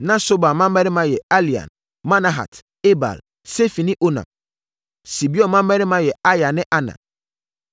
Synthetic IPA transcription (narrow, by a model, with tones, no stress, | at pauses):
nã˦so˦ba˨mã˦m˦ɛ˦ɾɪ˦mã˦jɛ˨a˦li˨ã̰˨n | mã˦na˨ɦa̰˨t | e˦ba̰˨l | se˦fi˨nĩ˦ʔo˦nã̰˨m | si˨bi˦ɔ˦mã˦m˦ɛ˦ɾɪ˦mã˦jɛ˨a˦ja˨nɪ̃˦ʔa˦nã̰˨